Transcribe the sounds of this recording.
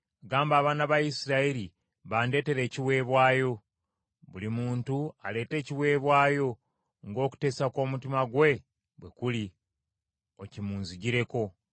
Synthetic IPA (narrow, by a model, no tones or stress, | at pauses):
ɡaːmbaːβaːnaβaisiɾaiɾi | βaːnde̞ːte̞ɾe̞ːciwe̞ːβwaːjo̞ | βulimuːntuale̞ːte̞ːciwe̞ːβwaːjo̞ | ŋɡo̞ːku̥te̞ːsako̞ːmutimaɡwe̞ | βwe̞kuli | ocimuːnziɟiɾe̞ko̞